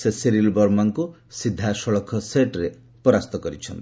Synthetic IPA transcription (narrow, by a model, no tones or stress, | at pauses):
sesiɾilbɔɾmaŋku | sid̪ʱːasɔɭɔkʰɔseʈɾe | pɔɾast̪ɔkɔɾit͡ʃʰɔnt̪i̥